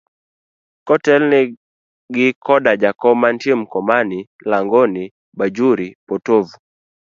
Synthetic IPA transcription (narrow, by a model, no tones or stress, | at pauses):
kɔtɛlnɪ | ɡɪkʰɔdad͡ʒakɔmantjemkɔmani | laŋɡɔni | bad͡ʒuɾipɔtovu